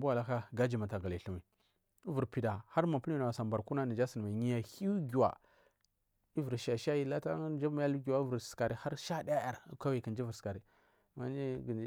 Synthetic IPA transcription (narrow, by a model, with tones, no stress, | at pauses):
bu˦wa˨la˦ka˦ɡa˦d͡ʒi˨ma˨ta˨ɡa˨li˨ɬu˦mi˨˦ | vu˨ɾpi˨da˨ha˦ɾma˨pn˦i˦na˨a˨sa˨mba˨ɾku˦na˦ni˨d͡ʒa˦si˨n˨ma˨ɲi˦ja˨hi˦ɡu˨wa̰˨ | i˦vu˨ɾʃa˨ʃa˦ji˦la˦ta˦d͡ʒa˦m˦ja˦lu˦ɡi˨wa˦vu˨ɾska˨ɾi˨ha˦ɾʃa˦da˦a˦ja˨ɾkʷa˦wi˨ki˨nd͡ʒi˦vu˨ɾsə̥˨ka˨ɾi˨ | ma˦d͡ʒi˦ɡ